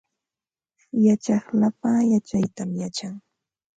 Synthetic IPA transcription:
jat͡ʃɑχlapajat͡ʃajt̪amjat͡ʃaŋ

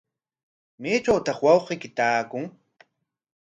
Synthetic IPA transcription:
meːt͡ʃawt̪ɑχwɑwɢiːkɪt̪aːkʊŋ

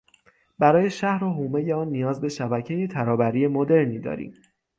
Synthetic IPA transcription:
b̥æɾɒːje̞ʃæhɾoɦuːme̞jeɒːnːijɒːzbe̞ʃæbæcʰe̞jet̪ʰæɾɒːbæɾiːje̞mod̪e̞ɾniːd̪ɒ̰ːɾḭːm

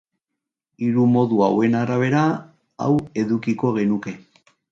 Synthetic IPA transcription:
iɾumo̞ðuawe̞naɾaβ̞e̞ɾa | a̰we̞ðukiko̞ɣe̞nuke̞

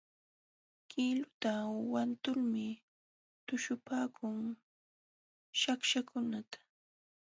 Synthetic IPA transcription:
kʰɪlʊt̪awant̪ʊlmɪ | t̪ʊʃʊpaːkʰʊŋ | ʃakʃakʰʊnat̪ḁ

